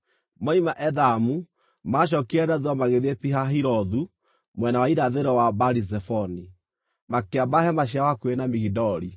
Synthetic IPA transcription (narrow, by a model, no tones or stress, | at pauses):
maimaʔɛðamu | maʃ̬ɔkiɛɾaðwamaɣeðepiɦaɦiɾɔðu | mwɛnawaiɾaðeɾɔwabaɾiz̬ɛfɔni | makeabahɛmaɕ̬iawakwenamiɣidɔɾi